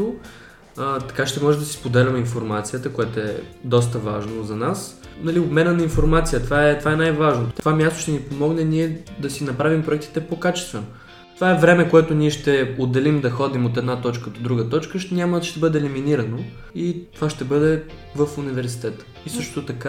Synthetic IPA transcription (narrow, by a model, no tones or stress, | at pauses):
o | ət̪ɐ̥kaʃt̪ɛmɔʒɛd̪ɐsi̥spod̪ɛlʲɐmɛinfoɾmat̪sijət̪əkoɛt̪oɛ̰d̪ɔs̬t̪əvaʒnozɐnas | nɐliobmɛnənɐinfoɾmat̪sijət̪vaɛt̪ovaɛnajvaʒnot̪ovamʲjast̪o̥ʃt̪ɛnipomɔɡnɛniɛd̪ɐsinɐpɾavimpɾʊɛk̚t̪i̥t̪ɛpokat͡ʃɛst̪vɛno | t̪ovaɛvɾɛmɛkoɛt̪ʊniɛʃt̪ɛod̪ɛlimd̪ɐxɔd̪imot̪ɛd̪nat̪ɔt͡ʃkəd̪od̪ɾuɡət̪ɔt͡ʃkəʃnʲaməʃt̪ɛbɤd̪ɛːliminiɾɐno | it̪ovaʃt̪ɛbɤd̪ɛ | vəfunivɛɾsi̥t̪ɛt̪ə̥ | isɤʃt̪ot̪ɐka